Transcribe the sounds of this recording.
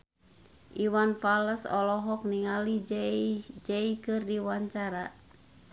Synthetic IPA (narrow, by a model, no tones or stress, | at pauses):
ʔiwanfaləsɔ̰lɔɦɔk̚niŋali | d͡ʒɛikɨrdiwaɲt͡ʃaɾa